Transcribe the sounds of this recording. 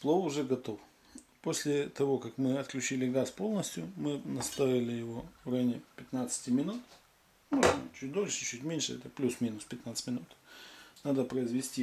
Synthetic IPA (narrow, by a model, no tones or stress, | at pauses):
plˠoʊʐɛɡɐt̪o̞f | posʲlʲɪt̪ɐvo̞kakmɨɐt̪klʲʉt͡ɕilʲɪɡaspo̞lˠnəsʲtʲjʊmɨnɐst̪avʲɪlʲɪjɪvo̞ranʲɪpʲɪt̪nat̪sə̥tʲɪmʲɪnut̪ | moʐnə̰t͡ɕut̚ʲd̪o̞lʲʂɨ̥t͡ɕʉt̚ʲmʲenʲʂɨɛ̰t̪əplʲusmʲinʊspʲɪt̪nat̪sɨ̥tʲmʲɪnut̪nad̪əpɾəɪzvʲɪsʲtʲi